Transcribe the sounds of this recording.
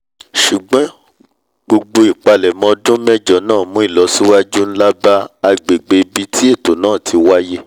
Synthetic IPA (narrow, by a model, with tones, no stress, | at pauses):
ʃu˨ɡ͡bɔ̃˨˦ | ɡ͡bo˧ɡ͡bo˧i˨k͡pa˧lɛ˨mɔ̃˧dũ˦mɛ˦d͡ʒɔ˨˦nãː˦˨mũ˨˦i˦˨lɔ˨˦si˦wa˦d͡ʒu˦n̩˦la˦ba˦a˧ɡ͡be˨ɡ͡be˧bi˧˦tʰi˦e˦˨to˨˦nãː˦˨tʰi˧wa˦je˦